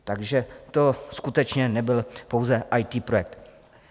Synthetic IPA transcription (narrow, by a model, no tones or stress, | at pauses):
t̪aɡʒɛt̪o̞skut̪ɛt͡ʃɲɛnɛbɪlpo̞wzɛʔajt̪iːpɾojɛk̚t̪